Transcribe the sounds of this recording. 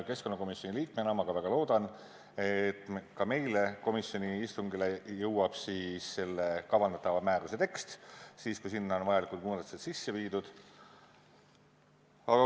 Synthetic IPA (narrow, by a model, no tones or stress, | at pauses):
ke̞skonːɑko̞misjo̞niliːkmenɑmɑɡ̥ɑvæɡ̥ɑlo̞ːd̪̥ɑn | e̞t̪ːˑkɑme̞jle̞ko̞misjo̞niist̪uŋɡilejɤwɑb̥siːsːe̞lːekɑvɑnd̪̥ɑt̪ːɑvɑmæːɾuse̞t̪e̞kst̪siːskujsinːɑonvɑjɑlikˑult̪̚muːd̪ɑt̪ːu̥set̪sisːeviːd̪ud̪̥ | ɑɡɑ